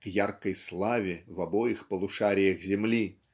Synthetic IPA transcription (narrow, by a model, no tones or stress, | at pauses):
kjarkɐjslˠavʲɛwabɔjixpɐlˠuʂaɾʲijɐɣzʲɛmlʲi